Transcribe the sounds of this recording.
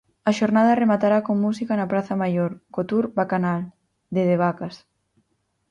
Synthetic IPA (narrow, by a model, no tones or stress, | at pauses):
aʃoɾnað̞aremat̪aɾakoŋmusikanapɾaθamajoɾkot̪uɾbakanal | d̪eðeβ̞akas